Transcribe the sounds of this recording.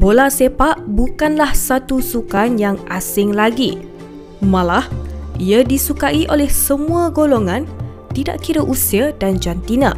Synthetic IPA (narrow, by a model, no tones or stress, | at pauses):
bolasepaʔbukanlahsat̪usukanjaŋʔasɪŋlaɡi | mãlahiadisukaiʔolɛhsəmũaɡoloŋãn | t̪ida̰ʔkiɾəʔusiadand͡ʒant̪inãʔ